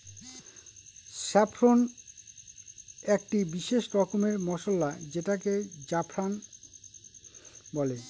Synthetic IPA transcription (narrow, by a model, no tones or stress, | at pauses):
ʃapʰɾon | ekʈibiʃeʃɾɔkomeɾmɔʃolːad͡ʑeʈaked͡ʑapʰɾan | bɔle